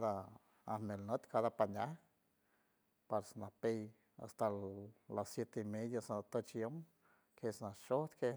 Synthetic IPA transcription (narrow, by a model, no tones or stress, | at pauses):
d̪a | ahnelnət̪kʰad̪apanʲa | paɾsnapej | a̰st̪alasjet̪eimed̪jasat̪ot͡ʃjom | kʰesnaʃohd̪kʰe